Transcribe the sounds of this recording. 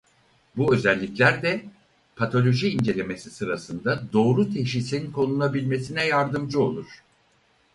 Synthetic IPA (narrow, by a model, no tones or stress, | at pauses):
buø̞zælʲːiclʲæɾd̪ɛ | pʰat̪ʰo̞lʲo̞ʒiːnd͡ʒe̞lʲe̞me̞sisɯɾasɯnd̪ad̪o̞ːɾut̪ʰeʃ̬isiinkʰo̞nulˠabilʲme̞sinɛjaɾd̪ɯmd͡ʒɯo̞̰lˠuɾ̥